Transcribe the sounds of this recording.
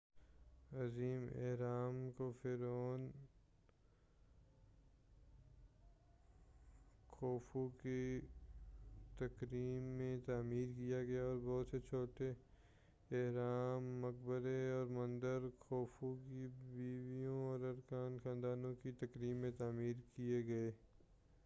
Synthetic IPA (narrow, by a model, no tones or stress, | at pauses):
ɐziːmḛɦɾaːmkofɪɾoːn | kɔːfuke | t̪ɐkɾiːmːẽt̪aːmiːɾkijaɡɐjaɔːɾbɔɦʊt̪set͡ʃʰoːʈe | ɪɦɾaːmːɐk̚bəɾeɔːɾmɐ̃nd̪əɾkʰɔːfukibiːʋijõɔːɾɐɾkaːnxʰãːnd̪aːnõkit̪ɐkɾiːmːẽt̪aːmiːɾkijeɡɐeː